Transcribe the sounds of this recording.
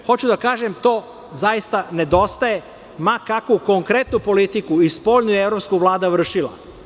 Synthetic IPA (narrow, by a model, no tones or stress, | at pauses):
xo̞t͡ɕud̪akaːʒe̞mt̪o̞ː | zajist̪ane̞d̪o̞st̪aje̞ | makakuko̞ŋkɾe̞t̪nupo̞lit̪ikuispo̞ːʎnujeeʋɾopskuʋlˠaːd̪aʋr̩ʃila̰